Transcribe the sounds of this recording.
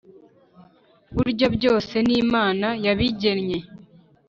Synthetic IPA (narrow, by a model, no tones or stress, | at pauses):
βuɾɟobɟo̞ːse̞niːmaːnajaβiɟenɲe̞